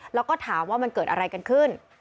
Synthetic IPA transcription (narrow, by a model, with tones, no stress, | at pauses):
lɛː˦˥wkɔː˥˩t̪ʰaː˩˦mwaː˥˩ma˧nkɤː˨˩t̪̚ʔa̰˧ɾa˧jka˧nkʰɯ˥˩n